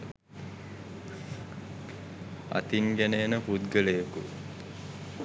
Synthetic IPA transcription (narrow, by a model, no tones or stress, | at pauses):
ɐ̰t̪iŋɡenejːnəput̪ɡəlejəku